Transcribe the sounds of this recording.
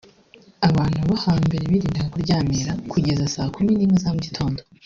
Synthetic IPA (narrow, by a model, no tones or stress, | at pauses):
aβaːn̥huβahaːmbeɾeβiɾiːndaakoɾɟaːmeɾakʰuɟe̞zasaːkuminiːmŋezamuɟitʰo̞ːndo